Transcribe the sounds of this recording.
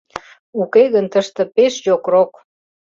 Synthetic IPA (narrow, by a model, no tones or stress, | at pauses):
ukeɣənt̪əʃt̪ə̆peʃjokrok